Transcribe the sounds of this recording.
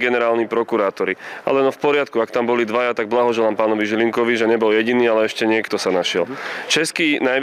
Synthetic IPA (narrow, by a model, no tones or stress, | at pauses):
ɡɛnɛɾaːlnipɾɔkuɾaːt̪ɔɾia̰lɛnɔfpɔɾɪat̪kuakt̪ambɔlid̪ʋajat̪aɡ̚blaɦɔʒɛlaːmpaːnɔʋiʒiliŋkɔʋiʒɛɲɛbɔljɛɟiniːalɛɛʃcɛɲɪɛkt̪ɔsanaʃɪɛ̰lt͡ʃɛskiːnaj